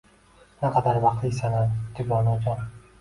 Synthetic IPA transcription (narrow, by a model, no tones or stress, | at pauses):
naqʰɑd̪aɾvɑqt̪lɪsanand̪ɪbɒnɒd͡ʒɒn